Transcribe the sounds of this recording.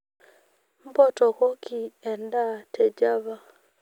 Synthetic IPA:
m̩˦bɔ˦tɔ˨kɔ˦ki˨ɛ˨nda˦˨tɛ˨d͡ʒa˦βa˦

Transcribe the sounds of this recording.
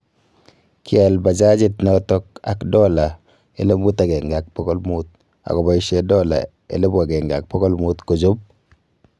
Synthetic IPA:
ki˦ɛ˨lba˨d͡ʒa˦d͡ʒɪ˦tnɔ˨tɔ˦k̚a˨kdɔ˦la˨ | e˨˦le˦mu˦ta˨ɡɛ˨ŋɡa˨k̚pɔ˦ɡɔ˦lmu˦t̪̚ | a̰˨kɔ˨ba˦i˦ʃe˦dɔ˦la̰˨ | ḛ˨le˦bu˦a˨ɡɛ˨ŋɡa˨k̚pɔ˦ɡɔ˦lmu˦t̪ko˨d͡ʒo˦p̚

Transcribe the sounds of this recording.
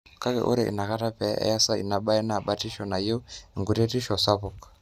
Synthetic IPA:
ka˦kɛ̰˨ʔṵ˦ɾɛʔḭ˨na˨ka˦ta˦pɛ̰˨˦ɛ̰˦ja˦sa˦ḭ˨na˨ɓa˦ɛ˦na˨ɓa˦ti˦ʃɔ˨na˨jɛ˦˨ŋɡu˨ɾɛ˦ti˦ʃɔ˨sa˦pu˨kḁ˨

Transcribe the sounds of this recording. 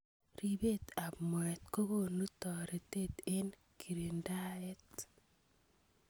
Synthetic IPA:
ɾi˨be˦t̪a˨bmwɛ˨t̪ko˦ɡo˦˨nu˦tɔ˨ɾe˨t̪e˦te˦n | kʰi˨ɾi˨nda˦ɛ˦t

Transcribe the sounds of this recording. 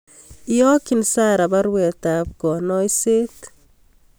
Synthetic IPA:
ijɔ˦ki˨nsa˦ɾa˨ba˦ɾwe˨t̪a˨p̚ɡɔ˨nɔ˦jse˦t̪

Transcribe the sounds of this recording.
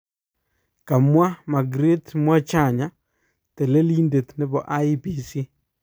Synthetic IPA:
ka˨mwa˦ma˨ɡɾe˦tmwa˦t͡ʃa˦˨ɲa˦ | te˨le˦li˦nde˨tnɪ˨˦bɔ˨ʔa˦i˦pi˨si˦

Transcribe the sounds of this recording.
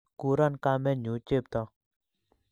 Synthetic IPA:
kuɾa˦nkamɛ̃˦nu˨t͡ʃe˦p̚t̪ɔ˨

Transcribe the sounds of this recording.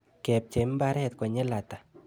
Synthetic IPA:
kɛp̚t͡ʃe˨mba˦ɾɛ˦t̪̚kɔ˨ɲɛ˦la˨t̪a˨

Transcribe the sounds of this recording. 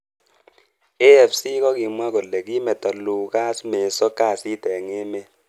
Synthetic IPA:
e˦ɛ˨fsi˦kɔ˦ki˨mwa˦kɔ˨lːɛ˨ki˦mɛ˨ta˨lu˨ka˦sme˨sɔ˦ka˦˨si˦tɛ˨ŋe˦mɛ˦

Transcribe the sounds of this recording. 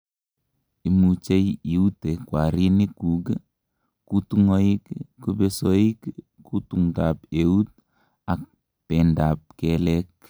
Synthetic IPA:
i˨mut͡ʃe˦ji˨u˦te˨kwa˨ɾi˦ni˦kuɡ | ku˦tuŋo˦ikːu˦besoi˦k | kutuŋɡapeu˦t̚ | a˨k̚ | pɛ˨nda˨p̚kɛlɛk̚

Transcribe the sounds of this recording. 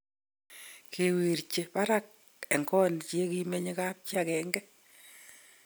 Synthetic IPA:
kʰe˨we˨ɾt͡ʃe˨pa˦ɾa˦k̚ | ɛ˨ŋkɔ˦nt͡ʃe˦ki˦me˦ɲe˦ka˦p̚t͡ʃja˨kɛ˨ŋɡɛ˦

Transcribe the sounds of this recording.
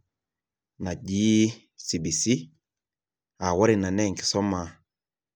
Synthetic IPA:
na˨ɟiː˦ | si˨bi˨si˦ | a˨wɔ˦ɾi˨na˨nɛ˦˨ŋ˨kɪ̥˨sɔ˦ma˨

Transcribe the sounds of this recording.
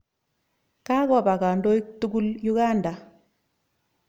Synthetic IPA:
ka˦kɔ˨ba˨ka˨ndɔ˦i˦ktu˦ku˦lju˦ɡa˦nda˨

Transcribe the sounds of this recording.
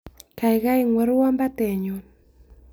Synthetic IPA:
ka˨i˨ɣa˦i˦ŋwɛ˨ɾwa˦mba˦tɛ˨ɲo˨n

